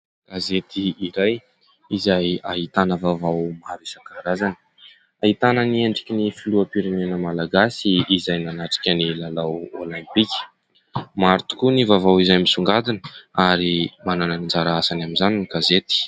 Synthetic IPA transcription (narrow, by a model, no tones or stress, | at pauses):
ɡ̥azet̪iiɾaj | izajaɦit̪anəvavawmaɾisakaɾazan | aɦit̪anənieɳɖ͡ʐikʲinifiluəpiɾenenəmalaɡasiizajnanaʈ͡ʂi̥kʲənilalawolãmpikʲi̥ | maɾit̪u̥kunivavawizajmisuŋɡad̪inə̥aɾimanananind͡ʒaɾaasanaminzaniniɡazet̪i̥